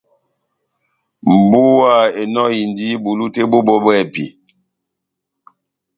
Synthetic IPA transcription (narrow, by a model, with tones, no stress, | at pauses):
m̩˨bu˦wa˦˨e˨nɔ˦ji˨ndi˦bu˨lu˦te˦bo˦bɔ˦bɛ˦˨pḭ˨